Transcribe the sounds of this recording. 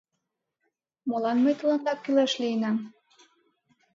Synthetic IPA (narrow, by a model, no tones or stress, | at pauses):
molɑnmɤjt̪ɤlɑnd̪ɑkːylæʃliənɑm